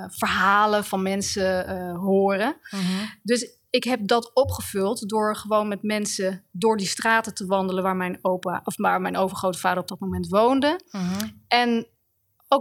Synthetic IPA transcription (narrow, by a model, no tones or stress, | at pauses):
v̥əɹɦaːləvɑnmɛnsəɦʊːrə | dɵs | ɪkɦɛp̚dɑtɔpχəv̥ɵlˠtdʊːɹχəʋownmɛtmɛnsədʊːɹdistraːtətəʋɑndələnʋaːɹmɛjnowpaʔɔfmaːɹmɛjnowvəɹχrowtəfaːdəɹɔb̚dɑtmomɛntʋowndə | ɛn | o